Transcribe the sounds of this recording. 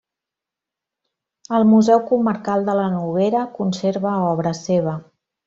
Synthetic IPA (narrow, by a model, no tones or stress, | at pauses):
əlˠmuzɛwkuməɾkalˠd̪ələnuβeɾəkunseɾβəɔβ̞ɾəseβ̞ə